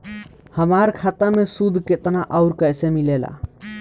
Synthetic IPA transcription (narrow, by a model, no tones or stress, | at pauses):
həmaɾkʰat̪əmesud̪ʱket̪naʔəʊɾkəjsemilela̰